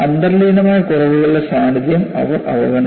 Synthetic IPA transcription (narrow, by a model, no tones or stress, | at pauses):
ɐnd̪ɐrliːnɐmaːjɐkurɐʋuɣɐɭɨlɐsaːniðjɐmɐ̰ʋɐrɐ̰ʋɐɡɐnɐ